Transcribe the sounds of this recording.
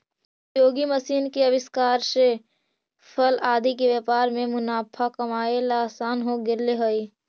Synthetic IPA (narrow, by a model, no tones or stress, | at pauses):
joːɡiməsiːnkeəʋɪskaːɾse | pʰəlaːd̪ʱikeʋjepaːɾmẽmʊnaːpʰakəmaːelaːsaːnɦoɡɪɾleɦoi